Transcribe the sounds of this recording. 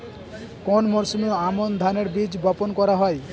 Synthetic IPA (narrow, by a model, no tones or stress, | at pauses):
konmɔɾsumeoamond̪ʱaneɾbid͡ʑbɔponkɔɾaɦɔe